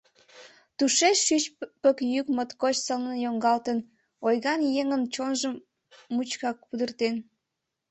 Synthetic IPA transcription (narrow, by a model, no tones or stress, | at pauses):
t̪uʃeʃːyt͡ɕpəkjykmət̪kot͡ɕsəlnəjoŋɡɑlt̪ən | ojɣɑnjeŋənt͡ɕonʒəmː | ut͡ɕkɑk̚pud̪ərt̪en